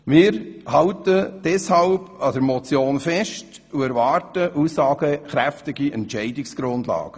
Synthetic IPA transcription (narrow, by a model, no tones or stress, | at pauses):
mɪːɾhɑwtəd̥ɛshɑlbɑd̥əɾmɔt͡sjoːnfɛʃt | uɛɾvɑːrtəʔuːsːɑːɡ̥əχɾæftɪɡiʔɛnt͡ʃɛɪdɪksɡ̥ɾʊndlɑ̰ːɡ̥ə